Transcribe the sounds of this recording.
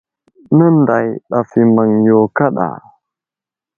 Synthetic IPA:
nə˦nda˨jɗa˨fi˨ma˨ŋjo˨ka˦ɗa̰˨

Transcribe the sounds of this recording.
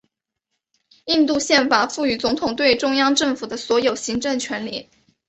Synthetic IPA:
i˥˧nt̪u˥˧ɕjɛ˥˩nfa˨˩fu˥˩y˨˩t͡sʊ˧˥ŋt̪ʰʊ˨˩ŋt̪̬we˥˧ɪʈ͡ʂʊ˥ŋjɑ˥ŋʈ͡ʂɤ˥˩ŋfu˨˩d̪ə˦swɔ˧˥jo˨˩ʊɕi˧˥ŋʈ͡ʂɤ˥˩ŋt͡ɕʰɥɛ˧˥nli˥˩˦

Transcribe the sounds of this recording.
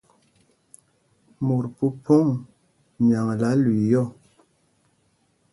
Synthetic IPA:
mu˨ɾpu˦pʰo˦ŋ | ɲa˨ŋla˨˦li˨jɔ˦˨

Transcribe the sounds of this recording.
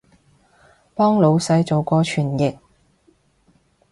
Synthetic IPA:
pɔː˥ŋlo˨˧wsɐ˧jt͡so˨˧wkɔː˧t͡ʃʰyː˨˩njɪ˨k̚

